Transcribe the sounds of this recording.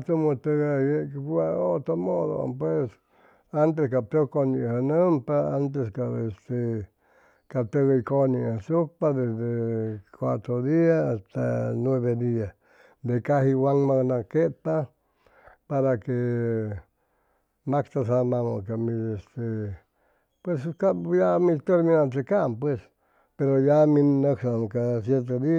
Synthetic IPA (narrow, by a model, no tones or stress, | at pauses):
t̪umõt̪eɣajekkuaot̪omoðo̰pwes | ant̪eskat̪ekonĩhanə̃mpaant̪̬eskaest̪e | kat̪eɣaikonĩsupaðesðekwʷat̪ɾoðiasast̪anweβed̪ias | d̪ekahiwaŋmãnãket̪a | paɾake | makt̪asamãŋõkamĩest̪e | pweskajamĩt̪eɾmĩnãnt̪ekampwes | peɾojamĩnnaksakas̬jeɾt̪̬eði